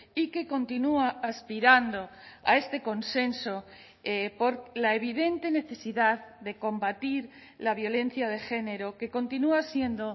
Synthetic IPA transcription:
ike̞ko̞nt̪inuaːspiɾand̪o̞a̰e̞st̪e̞ko̞nse̞nso̞ | epo̞ɾlae̞β̞iðe̞nt̪e̞ne̞θe̞siðaððe̞ko̞mbat̪iɾ | laβjo̞le̞n̟θjað̞e̞xe̞ne̞ɾo̞ke̞ko̞nt̪inuasje̞nd̪o̞

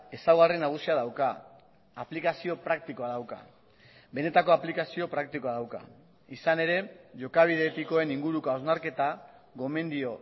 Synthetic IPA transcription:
e̞sawɣarenːaɣ̞usiaðawkaː | plikasio̞pɾak̚t̪iko̞aðawka̰ | be̞ne̞t̪ako̞aplikasio̞pɾak̚t̪iko̞aðawka̰ | isane̞ɾe̞ʝo̞kaβ̞iðe̞t̪iko̞e̞niŋɡuɾukoaznaɾke̞t̪a | ɣo̞me̞nd̪io̞

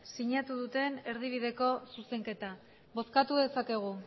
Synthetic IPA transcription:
siɲat̪uðut̪e̞ne̞ɾðiβ̞iðe̞ko̞suse̞ŋke̞t̪a | βo̞skat̪uðe̞sake̞ɣ̞u

